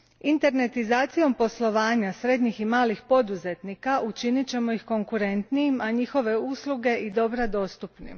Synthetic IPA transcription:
int̪e̞ɾne̞t̪izaːt̪sijo̞mpo̞slˠo̞ʋaːɲasɾe̞d̪ɲiximaːlixpo̞d̪uze̞t̪nikaʔut͡ʃinit͡ɕe̞mo̞jixko̞ŋkuɾe̞nt̪nijimaɲixo̞ʋe̞uslˠuɡe̞ʔid̪o̞bɾad̪o̞ːst̪upnḭm

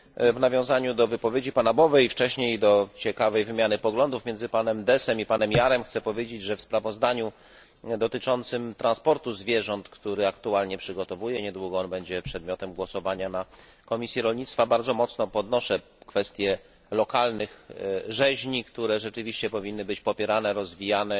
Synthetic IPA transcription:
vnavʲjɔ̃w̃zaɲud̪ɔvɘpɔvʲjed͡ʑipanabɔvɛjft͡ʂɛɕɲejd̪ɔt͡ɕɛkavɛjvɘmʲjanɘpɔɡlɔnd̪ufmʲjɛnzɘpanɛmd̪ɛsɛmipanɛmjaɾɛmxt̪sɛpɔvʲjed͡ʑed͡ʑʐɛfspɾavɔzd̪aɲu | d̪ɔt̪ɘt͡ʂɔnt̪sɘmt̪ɾanspɔɾt̪uzvʲjɛʐɔnt̪kt̪uɾɘakt̪ualɲɛpʂɘɡɔt̪ɔvujɛɲɛd̪wuɡɔɔnbɛɲd͡ʑɛpʂɛd̪̚mʲjɔt̪ɛmɡwɔsɔvaɲanakɔmʲisʲjiɾɔlɲit̪st̪fabaɾd̪zɔmɔt̪snɔpɔd̪nɔʂɛ | kfɛst̪ʲjɛ | lɔkalnɘxʐɛʑɲikt̪uɾɛʐɛt͡ʂɘvʲiɕt͡ɕɛpɔvʲinːɘbɘt͡ɕpɔpʲɛɾanɛɾɔzvʲijanɛ

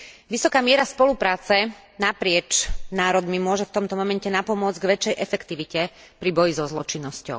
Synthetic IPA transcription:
ʋisɔkaːmɪɛɾaspɔlupɾaːt͡sɛ | napɾɪɛt͡ʃnaːɾɔd̪mimʊɔʒɛft̪ɔmt̪ɔmɔmɛncɛnapɔmʊɔd͡zɡʋɛt͡ʃːɛjʔɛfɛkt̪iʋicɛ | pɾibɔjizɔzlɔt͡ʃinːɔscɔ̰ʊ

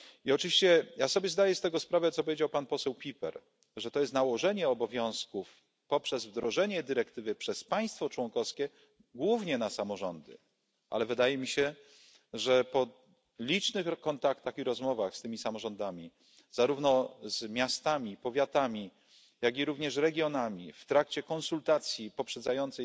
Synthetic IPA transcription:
iɔt͡ʂɘvʲiɕt͡ɕɛjasɔbʲjɛzd̪ajɛst̪ɛɡɔspɾavɛt̪sɔp̬ɔvʲjed͡ʑawpanpɔsɛwpʲipɛ̰ɾ | ʐɛt̪ɔjɛst̪nawɔʐɛɲɛɔbɔvʲjɔ̃w̃skuf | pɔpʂɛzvd̪ɾɔʐɛɲɛd̪ɘɾɛkt̪ɘvɘpʂɛspaj̃st̪fɔt͡ʂwɔŋkɔskʲɛ | ɡwuvɲɛnasamɔʐɔnd̪ɘ̰ | ʔa̰lɛvɘd̪ajɛmʲiɕɛ | ʐɛpɔ | lʲit͡ʂnɘxkɔnt̪akt̪axiɾɔzmɔvaxst̪ɘmʲisamɔʐɔnd̪amʲi | z̥aɾuvnɔzmʲjast̪amʲipɔvʲjat̪amʲi | jaɡʲiɾuvɲɛʂɾɛɡʲjɔnamʲift̪ɾak̚t͡ɕɛkɔnsult̪at̪sʲjipɔpʂɛd̪zajɔnt̪sɛ

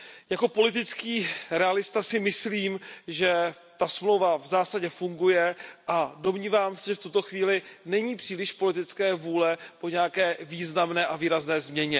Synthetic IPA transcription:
jako̞po̞lɪt̪ɪt͡skiːɾɛalɪst̪asɪmɪsliːmʒɛ | t̪asmlowvavzaːsaɟɛfuŋɡujɛʔado̞mɲiːvaːmsɛʒɛft̪ut̪o̞xviːlɪnɛɲiːpr̥iːlɪʃpo̞lɪt̪ɪt͡skɛːvuːlɛpo̞ɲɛjakɛːviːznamnɛːʔaviːɾaznɛːzmɲɛɲɛ

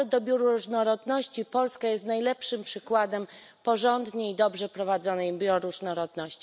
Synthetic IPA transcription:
ɔd̪ɔbʲjuɾuɾuʐnɔɾɔd̪nɔɕt͡ɕipɔlskajɛst̪najlɛpʂɘmpʂɘkwad̪ɛm | pɔʐɔnd̪ɲeid̪ɔbʐɛpɾɔvad̪zɔnɛjbʲjɔɾuʐnɔɾɔd̪nɔɕt͡ɕi

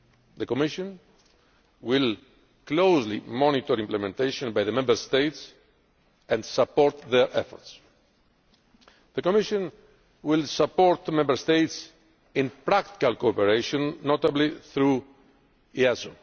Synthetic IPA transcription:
ðəkɔmɪʃɔ̃n | wɪl | klowzlimɔnit̪ɔɾĩmplɛmɛ̃nt̪ejʃɔ̃nbajðəmɛ̃mbəɾst̪ejt̪s | ɛ̃nd̪sapɔɾt̪ðɛɹʔɛfɔ̰ɹt̪s | ðəkomiʃɔ̃n | wɪlsapɔɾt̪mɛ̃mbəɾst̪ejt̪s | ĩnpɾakt̪i̥kalkopɛɾeʃɔ̃nːot̪abliθɾu | iazo

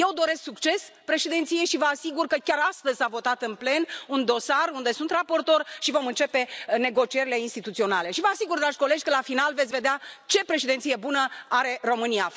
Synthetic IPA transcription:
je̞wd̪o̞ɾe̞sksukt͡ʃe̞spɾe̞ʃed̪ent̪sije̞ʃivəasiɡurkəkʲaɾast̪əzʲsavo̞t̪at̪ɨnple̞nund̪o̞sarund̪e̞sunt̪rapo̞rt̪o̞rʃivo̞mɨnt͡ʃe̞pe̞ne̞ɡo̞t͡ʃie̞ɾile̞inst̪it̪ut̪sio̞nale̞ʃivəasiɡurd̪ɾad͡ʒʲko̞le̞d͡ʒʲkəlafinalvet̪sʲve̞d̪eat͡ʃe̞pɾe̞ʃed̪ent̪sijebunəaɾe̞ro̞mɨnia

